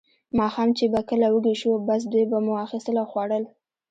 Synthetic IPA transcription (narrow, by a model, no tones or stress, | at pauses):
mɑxɑmt͡ʃebakəlawəɡiʃubas̬d̪ujbamuɑxist̪əlawxwɑɽəl